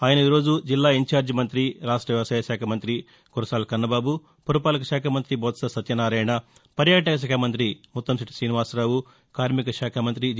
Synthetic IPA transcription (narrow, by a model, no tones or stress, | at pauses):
aːjɐnɐiːɾo̞ːd͡ʒud͡ʒilːaːiɲt͡ʃaːɾd͡ʒimɐnt̪ɾiɾaːʂʈɾɐʋjɐʋɐsaːjɐʃaːkʰɐmɐnt̪ɾi | kuɾɐsaːlkɐnːɐbaːbu | pɐɾupaːlɐkɐʃaːkʰɐmɐnt̪ɾibɔːt̪sɐsɐt̪jɐnaːɾɐjɐɳɐpɐɾjaːʈ̬ɐkɐʃ̬ɐːkʰɐmɐnt̪ɾimut̪ːɐmsiʈi̥sɾiːniʋaːsɾaːwu | kaːɾmikɐʃaːkʰɐmɐnt̪ɾi